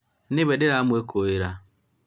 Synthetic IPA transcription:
nɪβɛdɪɾamwekʰoeɾa

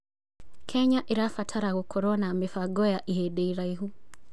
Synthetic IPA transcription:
kʰɛɲaʔiɾafatʰaɾaɣukʰɔɾɔnaːmɛfaɡɔjaʔiɦɛɗɛiɾaiɦu

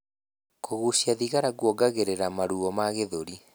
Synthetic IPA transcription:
kʰoɣusjaðiɣaɾaɣwɔɡaɣeɾeɾamaɾuɔmaɣeðoɾi

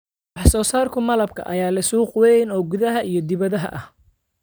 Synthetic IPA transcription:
wɑħsɔːsaːrkʰʊmɐlɐb̚kʰɐ̰ʔɐ̰jaːlɐsuːqʊwɛnɔːɡʊðɐɦɐijɞd̪ɪβɐðɐɦɐ̰ʔɐh

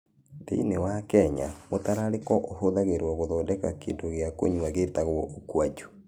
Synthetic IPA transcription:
ðḛinewakɛɲa̰motaɾaɾekɔʔohoðaɣeɾwɔɣoðɔːndɛkakḛndoɣjako̰ɲwaɣetaɣwɔʔokwad͡ʒu̥

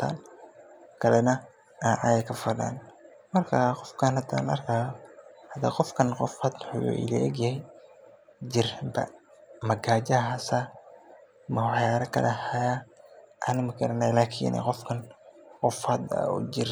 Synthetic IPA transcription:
t̪ʰa̰ːn | kʰɐlɛnɐ | aʕajɐkʰɐfɐda̰ːn | mɐrkʰaqɔfkʰɐnhɐd̪a̰ːnlɐ̰rkʰaːjɔhɐd̪ɐqɔfkʰɐnqɔfhɐd̪ħṵɪ̰lɛ̰ʔɛɡjɐhɛj | d͡ʒɪrbɐ̰mɐɡaːt͡ʃɐɦɦasa | mɐwɑħjaːɾɐkʰɐ̰lʔɛhɐjaʔɐnɪmɐkʰɐɾɐnaːjlaːkʰḭːnɛ̰qɔfkʰɐnqɔfhɐd̪ɐ̰ṵd͡ʒɪr

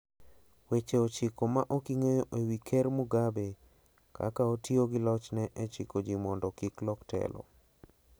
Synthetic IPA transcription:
wet͡ʃeot͡ʃikomaʔokiŋejoʔewikʰɛɾmuɡabe | ka̰kaotjoɡɪlɔt͡ʃnɛʔɛt͡ʃikod͡ʒimɔndɔkiklɔktɛ̰lɔ̰

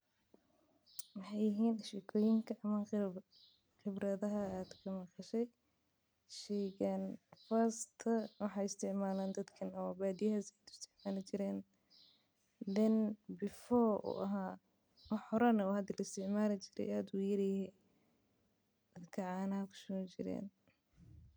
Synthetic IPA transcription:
wɑħɑjɪɦiːnɪʃɛːkʰɔːjɪŋkʰɐʔɐmɐ | xɪbrɐðɐɦɐːd̪kʰɐmɐqɑʃɛj | ʃɛːɣaːnfaːst̪ʰɐwɑħɑːɪst̪ʰɪʕmaːlaːnd̪ɐd̪kʰɐnɔbaːd̪ijɐhaːsɛjd̪ʊst̪ʰɪʕmaːlɪt͡ʃɪɾɛːn | d̪ɛnbɪfɔːṵːʔɐɦaː | ɐħɔɾɐnɐɔːhɐd̪iːlɐɪst̪ʰɪʕmaːlɪt͡ʃɪɾɛ̰jaːd̪uːjɐɾɪjhɛ | d̪̥ɐd̪kʰɐʕɑːnɐhɐkʰʊ̥ʃɔt͡ʃɪɾɛ̰ːn

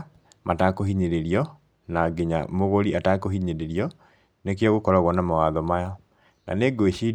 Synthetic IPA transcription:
matakohiɲeɾeɾiɔ | naɡeɲa̰moɣoɾiatakoɦiɲeɾeɾiɔ | nek̬jɔɣokɔɾaɣwɔnamawaðɔmajɔ | na̰neɡoeʃi

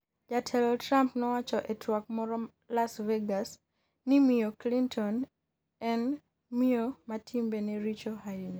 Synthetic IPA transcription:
d͡ʒatʰɛlɔtɾampnɔwat͡ʃɔʔɛtʰwak̚mɔɾɔ | lasveɡas | nimioklintʰɔn | ɛn | miomatʰimbenɛɾit͡ʃɔhaini

